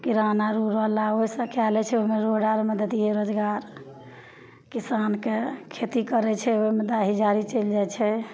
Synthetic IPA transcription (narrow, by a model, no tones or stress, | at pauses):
kiɾanaɾuɾəɦlaoisə̃kʰalɛt͡ʃʰɛoɦmeɾoɖaɾməd̪əd̪ijeɾod͡ʒɡaɾ | kisankekʰet̪ikəɾɛt͡ʃʰɛoimed̪aɦid͡ʒaɾit͡ʃeld͡ʒajt͡ʃʰɛ